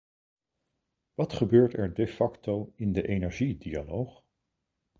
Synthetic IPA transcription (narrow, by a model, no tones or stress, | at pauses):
ʋɑtχəbøːɹtɛɹdefɑktowɪndəʔejnɛɹʒidialowχ